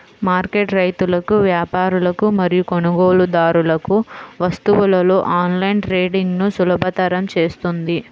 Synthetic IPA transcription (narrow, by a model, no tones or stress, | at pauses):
maːɾkeʈɾɐjt̪ulɐkuʋjaːpaːɾulɐkumɐɾijukoɳɐɡoːlud̪aːɾulɐkuʋɐst̪uʋulɐlo̞ːʔaːnlɐjnɾeːɖiŋɡnusulɐbʱɐt̪ɐɾɐmt͡ʃe̞ːst̪und̪i